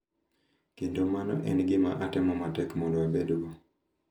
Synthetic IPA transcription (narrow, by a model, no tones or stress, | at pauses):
kentomanɔ̰ʔɛ̰nɡɪma̰ʔatɛmɔmatɛkmɔndoabedɡo